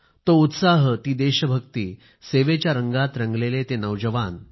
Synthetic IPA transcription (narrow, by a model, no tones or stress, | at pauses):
t̪out̪saɦət̪iːd̪eɕəbʱəkt̪iː | seʋet͡ɕjaɾəŋɡat̪ɾəŋɡlelet̪enəʋd͡ʑəʋan